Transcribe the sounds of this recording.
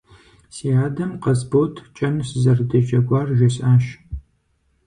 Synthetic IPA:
siːaːdɐmqɐzboːtʰt͡ʃʼɐnszɐrdɐt͡ʃʼɐɡʷʼɑːrʒɐɕʼaːʃ

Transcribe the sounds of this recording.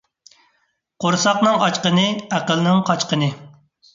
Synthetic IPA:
qoɾsɑqnɨŋɑt͡ʃqənɨæqəlnɪŋqʰɑt͡ʃqənɨ

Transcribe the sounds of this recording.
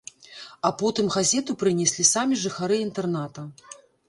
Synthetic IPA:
apɔt̪ɨmɣazʲɛt̪upɾɨnʲɛsʲlʲisamʲiʐɨxaɾɨːnt̪ɛrnat̪ɐ

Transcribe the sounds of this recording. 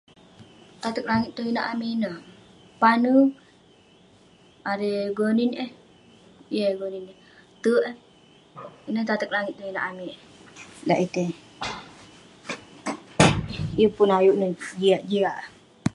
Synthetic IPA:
t̪at̪ək̚laŋit̪̚t̪ːojinaʔaminəh | panə | adeɡoninəh | jəɡoninə | t̪əʔə | inəht̪at̪ək̚laŋit̪̚t̪ːojinaʔamiʔ | laʔit̪e | jəpunajuʔnəd͡ʒiaʔd͡ʒiaʔ

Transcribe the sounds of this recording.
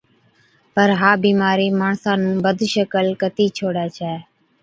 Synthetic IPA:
pəɾɦaːbiːmaːɾiːmaːɳsãːnũːbəd̪ʃəkəlkət̪iːt͡ʃʰoːɽaːt͡ʃʰɛː

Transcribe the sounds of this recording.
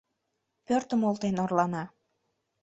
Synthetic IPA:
pørt̪ə̆molt̪enorlɑnɑ

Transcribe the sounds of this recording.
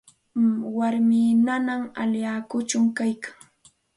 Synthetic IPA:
waɾminanama̰ljaːkʊt͡ʃʊŋkajkḁŋ

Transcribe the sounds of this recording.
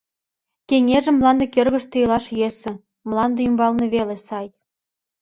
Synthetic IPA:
kʲeŋʲeʐɘ̆mlˠɑnd̪ɤ̆kʲørɣə̆ʃt̪eilˠɑʃjesɘ̆ | mlˠɑnd̪ɤ̆jymbɑlˠnɤ̆βelʲesɑj

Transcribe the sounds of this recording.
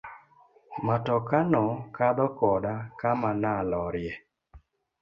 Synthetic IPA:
matɔkanɔkad̪ɔkɔdakamanalɔɾjɛ

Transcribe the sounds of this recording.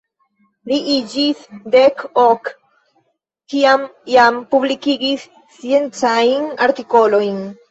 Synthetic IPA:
liʔid͡ʒisdekok | tiamjampublikiɡis | t͡sie̞nt͡sajnaɾtiko̞lo̞jn

